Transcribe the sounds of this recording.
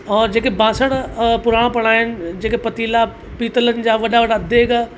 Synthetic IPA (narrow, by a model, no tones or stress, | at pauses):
ɔːɾd͡ʑeːkebãːsəɽ̃pʊɾaːɽ̃pɐɽ̃aːɦɪnɪ̆d͡ʑeːkepɐt̪iːla | piːt̪ələnɪ̆d͡ʑaːʋɐɗaʋɐɗad̪ʱeːɡa